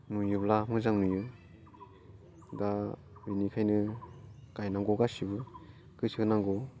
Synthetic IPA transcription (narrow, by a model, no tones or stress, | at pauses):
nujublamɯzaŋnuju | da | binikʰajnɯ | kajnaŋɡɔɡasibɯ | kɯsɯknaŋɡɔ